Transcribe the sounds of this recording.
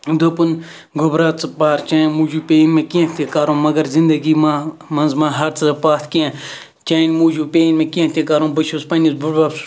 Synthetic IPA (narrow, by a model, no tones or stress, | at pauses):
d̪oːpun | ɡʱobɾaːt̪t͡spaːɾt͡ʃãːnmuːd͡ʒuːpʲeːinmẽːkiãt̪ʰekaːɾõːmɐɡɐɾzɪ̃nd̪əɡiːmamɐnzmãːɦɐɾt͡sʰzɐpaːt̪ʰkijã | t͡ʃaːinmuːd͡ʒuːpeːinmẽːkiãt̪ʰekaːɾõːbɐʃʰuːspɐnisbuʈbaːbs